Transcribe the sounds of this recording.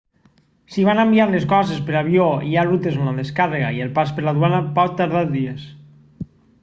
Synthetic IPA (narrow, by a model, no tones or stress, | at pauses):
siβ̞anambiaɾleskɔzespeɾaβjoiaɾut̪ezmnaðeskaðeɣaielpaspeɾlaðwanapɔt̪̚t̪ːaɾð̞aɾðies